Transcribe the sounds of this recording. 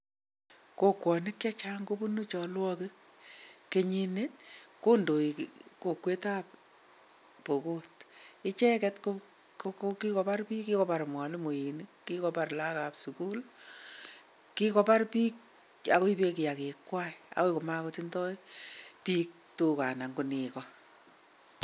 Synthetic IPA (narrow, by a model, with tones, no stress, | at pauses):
ko˦kwɔ˨nɪ˦kt͡ʃa˦t͡ʃaŋko˦pu˦nut͡ʃɔ˨lwɔkɪ˦k̚ | ke˨ɲi˦neko˦ndo˨iko˨kwe˦ta˦p̚ | po˨kotɪ˦t͡ʃɛ˦kɛtko | koki˦kɔ˨pa˦rpiː˦kːi˦kɔ˦pa˨ɾmwa˨li˦mo˨jini˦kːikɔpa˨rla˦ka˨psuku˦l | ki˦kɔ˦pa˦rpiː˦k | a˨ko˦i˦pe˦kɪ˨ja˨ke˨kwa˦ia̰˨ko˦ikɔ˨ma˦kotintɔ˦jpiː˦k̚tuka˨na˨ŋɡu˨nɪ˨kɔ